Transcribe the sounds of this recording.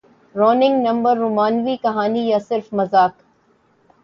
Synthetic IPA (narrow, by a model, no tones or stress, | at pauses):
ɾɔːnɪ̃ŋɡnɐ̃mbəɾːumaːnʋikɐɦaːnijasɪɾfmɐzaːk